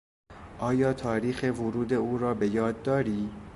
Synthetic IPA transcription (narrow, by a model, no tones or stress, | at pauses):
ʔɒːjɒːt̪ʰɒːɾiːxevoɾuːd̪e̞uːɾɒːbe̞jɒːd̪ːɒːɾiː